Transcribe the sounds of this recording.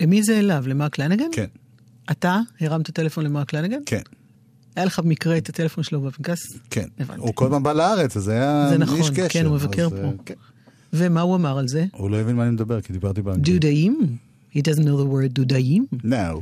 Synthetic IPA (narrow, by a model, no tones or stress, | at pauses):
emizeːlavlemaklaneɡenken | ʔataheʁamtate̞lefo̞nlemaklaneɡenkʰe | ajaleχabemikʁeetatelefo̞nʃelobapinkaskʰḛneva̰nuikolpanbalaaʁet͡sazajazenaχoʃnkekenumevakeʁpo̞ | vemauamaʁalze̞ulojevinmanimed̪ɐbeʁkid̪ibaʁt̪ibadudaim | hidazntnowðəwɜ˞d̚udajimnaw